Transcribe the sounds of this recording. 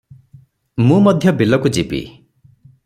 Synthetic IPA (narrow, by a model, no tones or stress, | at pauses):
mũmɔd̪ʱjɔbilɔkud͡ʒipḭ